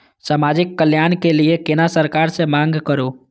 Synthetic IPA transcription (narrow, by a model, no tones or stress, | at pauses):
samad͡ʒikːəljankeliekenasəɾkaɾsẽmaŋɡʱkəɾo